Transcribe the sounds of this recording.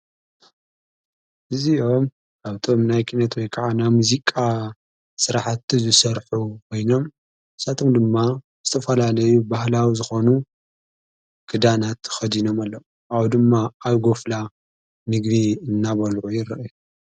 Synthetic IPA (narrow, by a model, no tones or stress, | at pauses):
ʔɨziʔo̞m | aβt̪ʰo̞mnajkʰinɐt̪wɔjkʰaʕanamuzikʼa | sɨɾaħt̪ːizɨsɐɾħukʰo̞jno̞m | ɨsat̪ʰo̞md̪ɨmːa | z̥ɨt̪ʰɐfɐlalɐjubahlawizɨxo̞nu | kʰɨd̪anat̪xɐd̪ino̞malːɐw | ʔawd̪ɨmːaːwɡo̞fla | nɨɡviɨnːaβɐlʕujɪɾɐʔju